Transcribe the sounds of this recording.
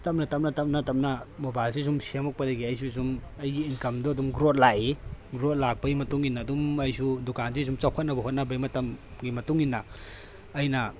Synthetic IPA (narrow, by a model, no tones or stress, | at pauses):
tɐm̚nɐtɐp̚m̚nɐtɐp̚nɐtɐp̚nɐmobajls̬is̬umsiemɐk̚pɐdɐɡiɐjs̬us̬um | ɐjɡiːnkɐmdɔɐdumɡɾot̚laʔiɡɾot̚lak̚pɐɡimɐtuŋinːɐːdumɐjsudukans̬is̬umt͡ʃawkʰɐt̚nɐbɐɦot̚nɐbɐimɐtɐmɡimɐtuŋinːɐː | jnɐ